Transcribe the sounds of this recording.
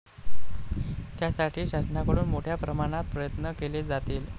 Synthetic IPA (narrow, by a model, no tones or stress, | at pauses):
t̪jasaʈʰiːɕasnakəɽuːnmoʈʰjapɾəmaɽ̃at̪̚pɾəjət̪nəkeled͡zat̪iːl